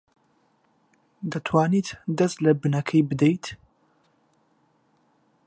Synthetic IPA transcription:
d̪ɐt̪ʰwaːniːt̪d̪ɐst̪lɐbɨnɐkʰɐjbɨd̪ejt̪

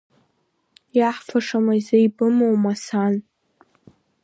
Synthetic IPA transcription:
jaħfʰaʂamajzajbɨmowmasan

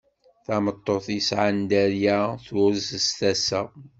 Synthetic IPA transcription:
θamət̪ˤːoθisʕand̪æɾjæθʊɾzst̪æsæ

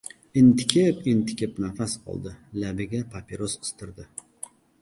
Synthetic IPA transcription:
ɪnt̪ɪ̥kʲʰepɪnt̪ʰɪ̥kʲepnafasqʰɒ̰lˠd̪ɪlabɪɡʲapʰapʰʲeɾosɨ̥st̪ʰɪɾd̪ɪ

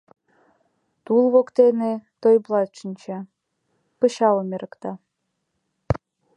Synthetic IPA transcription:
t̪ulˠβokt̪enet̪ojblˠɑt̪t͡ʃə̆nt͡ɕe | pɤ̆ɕɑomʲeɾɤ̆kt̪ɑ

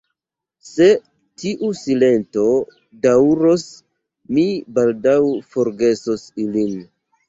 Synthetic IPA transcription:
se̞ | tiʔusile̞nto̞ | dawɾos | mibaldawfoɾɡe̞sosilin

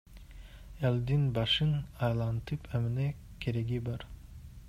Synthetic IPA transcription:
elʲˠd̪inbɑʃɯnɑjlˠɑnt̪ɯpʰømine | kʲʰeɾeɡibɑɾ

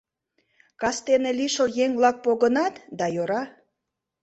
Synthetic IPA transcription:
kɑst̪eneliʃəljeŋβlɑk̚poɣənɑt̪d̪ɑjoɾɑ

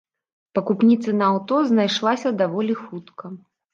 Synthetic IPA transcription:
pɐkupnʲit̪sɨnɐawt̪ɔznajʂlˠasʲɐd̪avɔlʲixut̪kʰɐ

